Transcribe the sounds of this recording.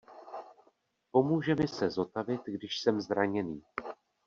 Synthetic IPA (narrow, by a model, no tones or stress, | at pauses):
po̞muːʒɛmɪsɛzo̞t̪avɪt̪ɡdɪʃsɛmzɾaɲɛniː